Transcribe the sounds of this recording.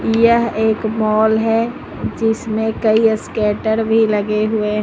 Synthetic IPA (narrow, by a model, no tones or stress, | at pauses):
jəɦeːkmɔːlɦɛ | d͡ʒɪsmẽkɐiskɛːʈəɾbʱilɐɡeɦʊeɦ